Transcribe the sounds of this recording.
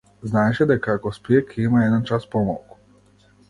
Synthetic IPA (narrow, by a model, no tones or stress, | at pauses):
znaːjʃed̪akakospekʰiimajed̪ant͡ʃaspomo̰lku̥